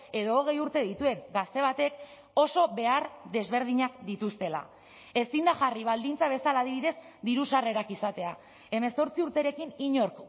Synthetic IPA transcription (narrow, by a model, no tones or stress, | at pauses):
e̞ðo̞ːɣ̞e̞juɾt̪e̞ðit̪ue̞ŋɡast̪e̞β̞at̪e̞k | o̞so̞βe̞aɾd̪e̞zβe̞ɾð̞iɲakd̪it̪ust̪e̞la̰ | e̞sind̪aʝariβ̞ald̪int͡saβ̞e̞salaːðiβiðe̞z | d̪iɾusare̞ɾakisat̪e̞a | e̞me̞so̞ɾt͡siuɾt̪e̞ɾe̞kiniɲo̞ɾk